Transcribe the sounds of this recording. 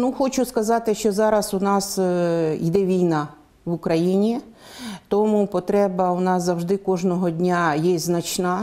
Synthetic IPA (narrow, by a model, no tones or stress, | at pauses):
nuxɔt͡ʃʊskɐzɑt̪ɪʃt͡ʃɔzɑɾɐsʊnɑsid̪ɛʋʲijnɑ | ʋʊkɾɐjinʲi | t̪ɔmupɔt̪ɾɛbɐʊnɑszɐwʒd̪ɪkɔʒnɔɦɔdʲnʲajɛznɐt͡ʃnɑ